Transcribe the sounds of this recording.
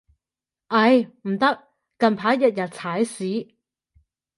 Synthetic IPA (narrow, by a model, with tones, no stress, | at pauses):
ʔɐ˧jm̩˨˩t̪ɐ˥k̚ | kɐ˨npʰaː˨˥jɐ˨t̚jɐ˨t̚t͡sʰaː˨˥jsiː˨˥